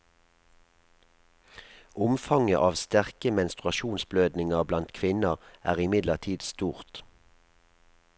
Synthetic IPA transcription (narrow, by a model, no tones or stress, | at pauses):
ʔʊmfɑŋəʔɑːʋst̪æʁkəmɛnst̪ʁʉɑʃuːnsbløːd̪nɪŋəʁblɑnt̪kʰʋɪnəʁæːʁɪmɪd̪ləʁt̪ʰiːd̪st̪uːʁt̪